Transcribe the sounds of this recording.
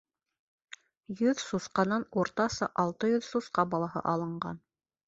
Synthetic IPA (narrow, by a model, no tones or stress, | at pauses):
jɵðsusqɑnɑnuɾt̪ɑsɤʔɑlˠt̪ɤjɵðsusqɑbɑlˠɑhɤ̰ʔɑlˠɤ̆ɴɢɑ̰n